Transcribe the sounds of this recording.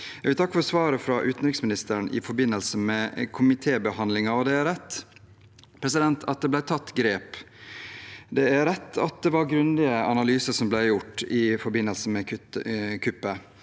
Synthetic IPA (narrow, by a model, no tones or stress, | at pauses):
jæɛɡʋɪlt̪ʰɑkːəfɔɾsʋɑːɾəfɾɑʔʉːt̪nɾɪksmɪnɪst̪əɾɳɪ̰fɔɾbɪnːəlsəmɛkʰʊmɪt̪ʰeːbəhɑnd̪lɪŋɑɔd̪ɛæɾɛt̪ː | pʰɾɛs̬ɪd̪ɛnt̪ʰɑt̪̚d̪ɛblæɪt̪ʰɑt̪ːɡɾeːp | d̪ɛæɾɛt̪ʰːɑ̰t̪̚d̪ɛʋɑɾɡɾʉnd̪ɪəɑnɑlyːsəɾsɔmblæɪjʊʈːɪfɔɾbɪnːəlsəmɛ | kʰʏpːə